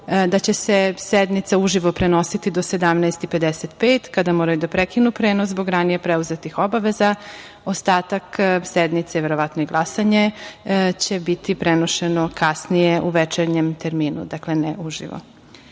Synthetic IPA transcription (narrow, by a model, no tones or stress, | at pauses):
d̪at͡ɕesesed̪nit̪sauʒiʋopɾeno̞sit̪id̪o̞sed̪amnɛjst̪ipe̞d̪eset̪peːt̪kad̪amoːɾajud̪apɾekinupɾeːnoszbo̞ɡɾanijepɾɛuzet̪ixo̞baʋeza | ost̪aːt̪aksɛd̪nit̪seʋeɾoʋat̪noiɡlˠasaɲe | t͡ɕebit̪ʰipɾenoʃenokʰasnijeʔuʋɛt͡ʃeɾɲemt̪eɾmiːnṵd̪akleneuʒḭʋo̰